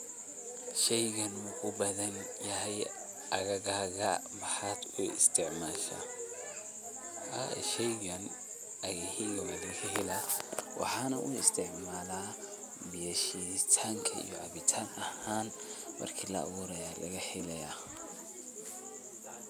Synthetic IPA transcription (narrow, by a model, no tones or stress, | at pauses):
ʃɛjɣɐnukʰʊbɐðɐnjɐɦɛj | ʔɐɣɐɣaːɣɐmɐħɑːd̪ʊɪ̰st̪ʰɪʕmaːʃa̰ː | ɐ̰ʃɛjɣɐn | ʔɐɣɐhiɣɔɣɐlɐkʰɐhɪlɐwʔɑ̰ħɑːnɐʔʊɪ̰st̪ʰɪʕmaːlaː | bɪjɐʃit̪ʰaːŋkʰɐḭjɔʕɑβɪt̪ʰaːnɐhaːnmɐ̰rkʰiːlɐ̰ɐ̰βuːɾɐjalɐ̰ɣɐħɪlɛja